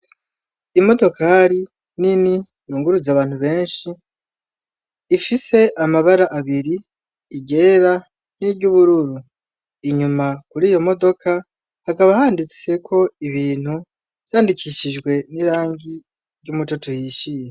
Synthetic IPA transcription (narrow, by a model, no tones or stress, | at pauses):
imo̞do̞kʰaɾi | nini | juːŋɡuɾuzaβaːnhuβe̞ːnʃi | fise̞ʔamaβaɾaʔaβiɾiː | ɟe̞ːɾa | niɾɟuβuɾuɾu | iɲumakuɾiːjo̞mo̞do̞kʰa | hakaβahaːndit͡se̞kʰo̞iβiːn̥hu | v̥jaːndikʰiʃiʒɡwe̞niɾaːŋɡi | ɾɟumut͡ʃotuhiʃije